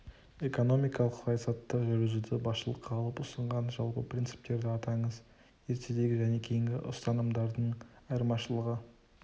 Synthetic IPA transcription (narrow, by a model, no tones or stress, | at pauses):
e̞ko̞no̞mijkɑlˠəqsɑjɑsɑt̪ːəʒɵɾɪzud̪ɪbɑsʃəlˠəqʰːɑlˠəpʊsəɴʁɑnʒɑlˠpə̰prʲint̪sɨ̥p̚t̪e̞ɾd̪ɪɑt̪ɑɴəz | je̞ɾt̪ʰed̪e̞ɡʲɪʒæne̞kʲʰe̞jɪŋɡʲɪʔʊ̰st̪ɑnəmd̪ɑɾd̪əɴɑjəɾmɑʃəlˠəʁə